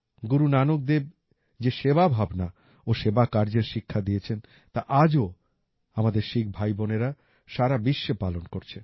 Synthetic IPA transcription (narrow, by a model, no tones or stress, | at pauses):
ɡuɾunanok̚d̪eb̚ | d͡ʑeʃeβabʱabna | oʃebakaɾd͡ʑeɾʃikʰːad̪ijet͡ɕʰen | t̪aʔad͡ʑo | amad̪eɾʃik̚ʰbʱajboneɾa | ʃaɾabiʃːepalonkoɾt͡ɕʰe